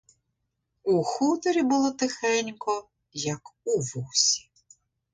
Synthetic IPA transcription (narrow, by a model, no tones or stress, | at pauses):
uxut̪ɔɾʲibʊlˠɔt̪ɪxɛnʲkɔ | jɐkuʋusʲi̥